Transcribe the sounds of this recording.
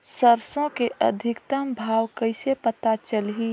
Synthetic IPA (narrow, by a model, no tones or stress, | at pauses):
səɾsõkeʔə̰d̪ʱɪkt̪əmbʱaːwkəɪsepət̪at͡ʃəlɦi